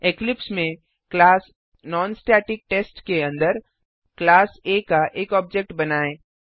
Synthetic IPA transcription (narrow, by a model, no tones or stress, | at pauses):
eklɪpsmẽ | klaːs | nɔːnsʈɛːʈɪk̚ʈeːsʈkeɐ̃nd̪əɾ | klaːseːkaʔeːkɔːb̚d͡ʒek̚ʈbɐnaːẽː